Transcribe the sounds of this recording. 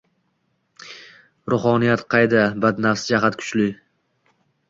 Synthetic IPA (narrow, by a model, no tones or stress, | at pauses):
ɾʊχɒnijat̪qʰɑjd̪abad̪nafsɪd͡ʒaɦat̪kʰʊ̥t͡ʃlɪ